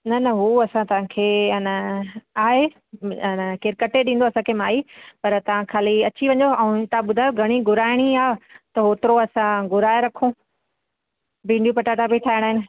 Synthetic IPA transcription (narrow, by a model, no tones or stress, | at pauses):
nɐnɐɦuːɐsãt̪ɐʋ̤ãkʰeːnəaːɦe | nəkɪɾkɐʈeɗĩːn̆d̪oːɐsãkʰeːmaːipɐɾt̪ɐʋ̤ãkʰaːliɐt͡ɕʰiʋɐ̃ɲoɐ̃t̪aãɓʊd̪ʱaːjoɡʱɐɽ̃iɡʱʊɾaːɪɽ̃iaːt̪ɐɦoːt̪ɪɾoɐsãɡʊɾaːeɾɐkʰũː | bĩːɳɖijupɐʈaːʈabʱiʈʰaːɪəɽ̃aːɦɪnɪ̆